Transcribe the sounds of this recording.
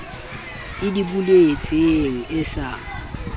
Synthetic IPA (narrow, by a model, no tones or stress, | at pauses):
ɪdibulet͡sʼɪeŋ̩ɪsa